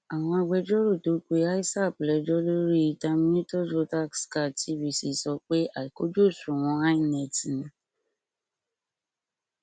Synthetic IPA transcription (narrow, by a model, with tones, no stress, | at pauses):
a˨w̃ɔ̃˧a˧ɡ͡bɛ˧d͡ʒɔ˦ɾo˦˨to˨˦k͡pe˦a˦i˦sa˦˨plɛ˨d͡ʒɔ˦lo˦ɾi˦˧ta˧mĩ˦nĩ˦to˦so˦ta˦˨kska˦˨tʰi˨˦wi˧˨si˨sɔ˧k͡pe˦a˨i˨ko˦d͡ʒo˦˨sũ˨w̃ɔ̃˧a˦i˦˨nɛ˨ti˨nĩ˨˦